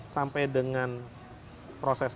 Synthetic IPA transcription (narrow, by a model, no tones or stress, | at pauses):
sampajdəŋan | pɾosɛs